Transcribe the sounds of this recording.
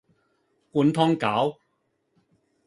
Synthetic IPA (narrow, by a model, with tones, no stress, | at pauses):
kuː˧nt̪ʰɔː˥ŋkaː˨˥w